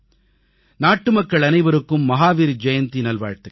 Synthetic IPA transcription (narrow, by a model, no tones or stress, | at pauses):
naːʈːɯmɐkːɐɭɐnɐɪʋɐɾɯkːɯmːɐɦaːʋiːɾd͡ʒɐjɐnt̪inɐlʋa̰ːɻt̪ɯ